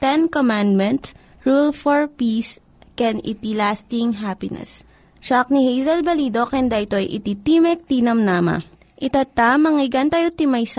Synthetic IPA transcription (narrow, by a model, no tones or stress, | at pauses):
t̪ɛnkomand̪̚mɛ̃nt̪s | ɹulfoɹpiːs | kɛnɪ̰t̪ilast̪ɪŋɦapɪnɛ̰s | ʃak̚nihejzɐlbɐlid̪o̞kɛnd̪aʔɪt̪oɐ̰jʔɪ̰t̪it̪imɛk̚t̪inɐmnaːma̰ | ʔɪt̪at̪amɐŋɪɡɐnt̪ajot̪imajsa